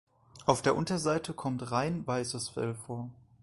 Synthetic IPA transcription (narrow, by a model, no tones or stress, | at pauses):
ʔaʊfd̥eːɐʔʊntɐzaɪtʰəkʰɔmtʁaɪnvaɪsəsfɛ̰lfoːɐ